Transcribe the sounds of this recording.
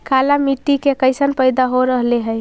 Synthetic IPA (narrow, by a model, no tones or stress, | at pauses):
kalamiʈːikekəɪsənpəɪd̪aɦoɾəɦleɦəj